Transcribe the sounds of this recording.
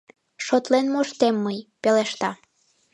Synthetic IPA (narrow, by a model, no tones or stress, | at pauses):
ʃot̪lenmoʃt̪emːəjpeleʃt̪ɑ